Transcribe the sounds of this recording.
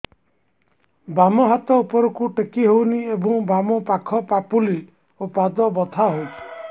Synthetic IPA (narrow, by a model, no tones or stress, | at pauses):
bamɔɦat̪ɔupɔɾɔkuʈekiɦowniebɔŋbamɔpakʰɔpapulil | opad̪ɔbɔt̪ʰaɦowtʰi̥